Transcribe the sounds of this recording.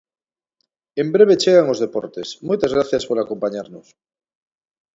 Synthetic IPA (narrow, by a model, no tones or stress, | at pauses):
embɾe̞β̞e̞t͡ʃeɣ̞aŋo̞zðe̞po̰ɾt̪esmujt̪azɣɾaθjaspoɾako̞mpaɲaɾnos